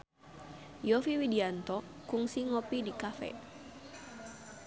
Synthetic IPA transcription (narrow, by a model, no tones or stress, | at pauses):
jɔfiwidiant̪ɔkuŋsiŋɔpidikafɛ̰